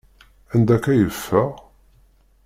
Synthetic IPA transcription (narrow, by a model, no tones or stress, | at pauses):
ænd̪ækːæjəfːəʁ